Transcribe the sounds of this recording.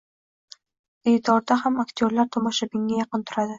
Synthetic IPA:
ejt̪ʰɒɾd̪ahamakt̪ʰʲoɾlaɾt̪ʰɒmɒʃabɪŋːajɑqɨnt̪ʰʊɾad̪ɪ

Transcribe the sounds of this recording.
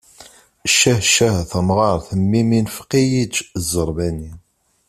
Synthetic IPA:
ʃːæhʃæhθəmʁɑɾˤθəmːiminfqijit͡ʃzˤəɾˤbæni

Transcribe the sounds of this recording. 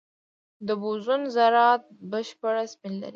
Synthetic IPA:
d̪əbuzunzaɾɑt̪̚bəʃpəɽaspinla̰ɾi

